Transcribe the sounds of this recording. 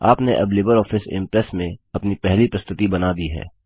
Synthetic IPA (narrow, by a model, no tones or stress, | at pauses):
aːpneʔɐblɪːbəɾɔːfɪsɪ̰̃mpɾəsmẽɐpnipɛɦlipɾɐst̪ʊt̪ibɐnad̪iɦɛ̰ː